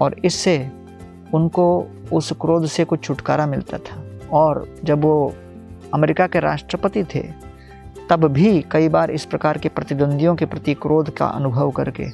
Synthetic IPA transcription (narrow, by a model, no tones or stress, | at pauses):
ɔːɾɪsːe | ʊnkoʊskɾoːd̪ʱsekʊt͡ʃʰt͡ʃʰʊʈkaːɾamɪlt̪a̰t̪ʰḁɔːɾd͡ʒɐbʋo | ɐmeːɾɪkakeɾa̰ːʃʈɾəpət̪it̪ʰḛ | t̪ɐbbʱikɐibaːɾɪspɾɐkaːɾkepɾɐt̪ɪd̪ə̃nd̪ʱijõkepɾɐt̪ikɾoːd̪ʱka̰ʔɐ̰nʊbʱəʋkɐ̰ɾkḛː